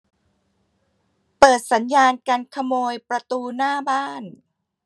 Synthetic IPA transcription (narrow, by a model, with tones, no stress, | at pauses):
pɤː˨˩t̪̚sa˩˦njaː˧nka˧nkʰa˧moː˧jpɾa˧t̪uː˧naː˥˩baː˥˩n